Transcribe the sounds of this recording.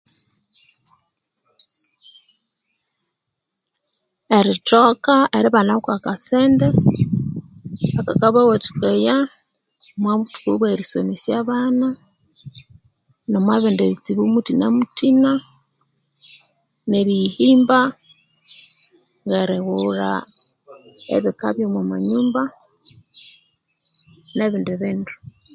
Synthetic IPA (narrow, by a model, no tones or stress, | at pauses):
eɾitokaeɾiβanakwakaseːnde | akakaβawot͡ʃi̥kaja | mwaβutu̥kuβweɾisomisjaβana | nomwaβeːndeβit͡siβumutinemutina | neɾihiːmba | ŋɡeɾeɣuɾa̰ | ḛβikaβjomwamaɲuːmba | neβiːndeβiːndu